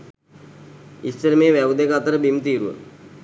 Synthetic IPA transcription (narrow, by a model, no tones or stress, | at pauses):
ist͡ʃəɾmeːʋæʋd̪ekaat̪əɾəbimt̪iːɾuʋə̰